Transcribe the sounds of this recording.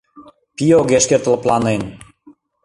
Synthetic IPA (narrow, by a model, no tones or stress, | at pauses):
pioɣeʃkert̪ə̆ləplɑnen